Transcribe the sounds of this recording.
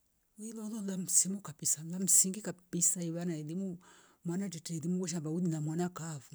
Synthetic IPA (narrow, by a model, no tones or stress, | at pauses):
ilɔlɔlam̩simukabisalam̩siŋɡikabisaiβanaɛðimu | mwanatɛtɛɛdimuɡɔʃ̬abaudinamwanakafu